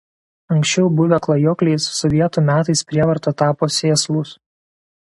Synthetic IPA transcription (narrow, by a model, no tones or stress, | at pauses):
ɐŋʲksʲt͡ʃʲɛʊbʊʋʲɛklˠɐjɔːklʲɛɪsːɔʋʲiɛt̪uːmʲæːt̪ɐɪspʲɾʲiɛʋɐɾt̪ɐt̪ɑːpoːsʲeːslˠʊs